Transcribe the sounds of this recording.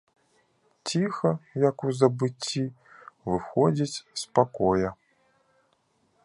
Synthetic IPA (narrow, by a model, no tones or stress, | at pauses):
t͡sʲixɐjɐkuzɐbɨt͡sʲːi | vɨxɔd͡zʲit͡sʲspakɔjɐ